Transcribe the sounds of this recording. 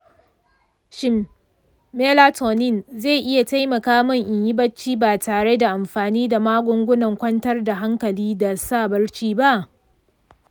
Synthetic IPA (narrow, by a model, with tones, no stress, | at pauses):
ʃɪ˦mː | eː˦laː˦tʰoː˨nɪ˦nze˦˨ʔɪ˦ja˨ta˦jmɐ˨kaː˦mɐ˦ŋʔɪ˨ɲjɪ˦bɐ˦t͡ʃːiː˦baː˨taː˨ɽe˦da˨ʔa˨mɸaː˨niː˦da˨maː˦ɡʷʊ˦ŋɡʷʊ˦nɐ˨ŋkʷɐ˦ntɐ˦rda˨ɦa˦ŋkɐ˨liː˦da˨saː˦˨bɐ˦rt͡ʃiː˦ba˦ʔ